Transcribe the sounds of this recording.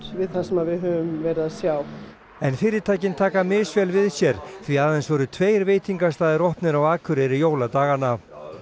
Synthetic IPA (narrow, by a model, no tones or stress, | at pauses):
vɪðθasɛmavɪðɦœːvʏmvɛːɾaðsjaːw | ɛnfɪːɾɪɾt̪ʰaːjcɪnt̪ʰaːkamɪːsvɛlvɪðsjɛɾ̥θviaːðejnsvɔɾʏt̪ʰveːjɾveːjt̪iŋkast̪aːðɪɾɔhpnɪɾawaːkʰʏɾɛɾɪjoːwlat̪aːɣanav